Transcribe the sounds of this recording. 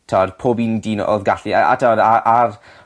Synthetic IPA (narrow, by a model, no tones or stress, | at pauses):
tʰɔdpʰoːbindiːno̰ðɡaɬiaa̰tʰɔdaʔar